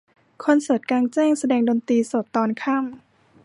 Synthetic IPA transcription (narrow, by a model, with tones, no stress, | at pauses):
kʰo˧nsɤː˨˩t̪̚kaː˧ŋt͡ɕɛː˥˩ŋsa˧dɛː˧ŋdoː˧nt̪iː˧so˨˩t̪ːɔː˧nkʰa˥˩m